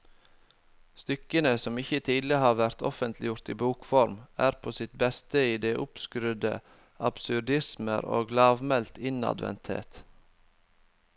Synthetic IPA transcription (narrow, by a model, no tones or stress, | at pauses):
st̪ʏkənəsɔmɪçət̪ʰiːd̪l̩ɪhɑːɾʋæɾt̪ʰɔ̰fənt̪ʰlɪjʊɾt̪iːbuːkfɔɾmæːɾpʰoːsɪt̪̚bɛst̪əiːd̪eːʔʊpskɾʉd̪ə̰ | ɑb̥sʉd̪ɪsmə̰ɾo̰ːɡlɑːʋmɛlt̪ʰɪnɑ̰d̪ʋɛ̰nt̪hḛːt̪